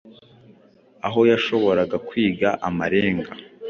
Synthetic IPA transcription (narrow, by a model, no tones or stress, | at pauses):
aɦo̞jaʃo̞βo̞ɾaɡakwiːɡaʔamaɾe̞ːŋɡa